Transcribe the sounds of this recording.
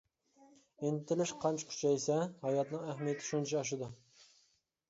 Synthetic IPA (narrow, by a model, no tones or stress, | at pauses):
ent̪ʰːɪlɪʃqʰɑnt͡ʃʰɪ̥kʲʰy̥t͡ʃʰɛjsɛhɑjɑt̪nɪŋæhmijɛt̪ʰɪ̥ʃunt͡ʃʰiɑʃ̬ɪd̪ʊ